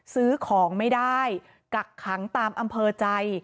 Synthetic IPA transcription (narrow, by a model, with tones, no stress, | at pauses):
sɯː˦˥kʰɔː˩˦ŋma˥˩jdaː˥˩j | ka˨˩kʰːa˩˦ŋt̪aː˧mʔa˧mpʰɤː˧t͡ɕa˧j